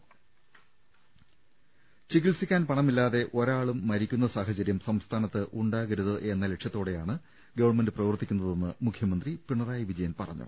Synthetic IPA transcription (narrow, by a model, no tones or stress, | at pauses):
t͡ɕiɣilsikʲːaːnpɐɳɐmilːaːðe̞ʔo̞ɾaːɭumːɐɾikʲːunːɐsaːɦɐt͡ɕɐɾjɐmsɐmst̪ʰaːnɐt̪ːɨʔuɳɖaːɣɐɾuðɨʔe̞nːɐle̞ʈʂjɐt̪ːo̞ːɽe̞jaːɳɨ | ɡɐʋɐɳmendɨprɐʋɐrt̪ːikʲːunːɐðe̞nːɨmukʰjɐmɐnd̪ripiɳɐraːjiʋid͡ʑɐjɐnpɐrɐ̰ɲːṵ